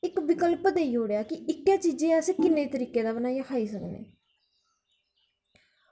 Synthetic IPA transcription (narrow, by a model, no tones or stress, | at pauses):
ɪkʋɪkəlpd̪eːiːɦoːɽejaːkɪɪkːjãːt͡ʃiːd͡ʒẽːəseːkɪnːeːt̪əɾiːkeːd̪aːbənaːjaːkʰaːiːsəknḛː